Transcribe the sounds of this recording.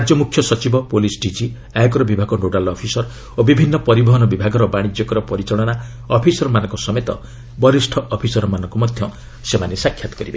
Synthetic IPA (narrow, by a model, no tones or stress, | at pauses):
ad͡ʒjɔmukʰːjɔsɔt͡ʃibɔpolisɖid͡ʒi | ajɔkɔɾɔbibʱaɡɔnoɽalɔpʰisɔɾ | obibʱinːɔpɔɾibɔɦɔnɔbibʱaɡɔɾɔbaɽ̃id͡ʒjɔkɔɾɔpɔɾit͡ʃɔɽ̃ɔna | ɔpʰisɔɾmanɔŋkɔsɔmet̪ɔ̰ | bɔɾisʈʰɔʔɔpʰisɔɾɔmanɔŋkɔmɔd̪ʱjɔ | semanesakʰjat̪ɔ̥kɔɾibe